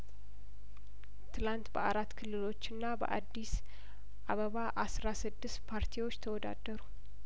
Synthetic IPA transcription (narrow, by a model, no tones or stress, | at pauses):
t̪ʰɨlant̪bəʔaɾat̪ːkʰɨlːɨlo̞t͡ʃːɨnːabə̰ʔad̪ːis | ʔaβəβaʔasɾasɨd̪ːɨst̪pʰaɾt̪ʰiwot͡ʃːt̪ʰəwɔd̪a̰d̪əɾu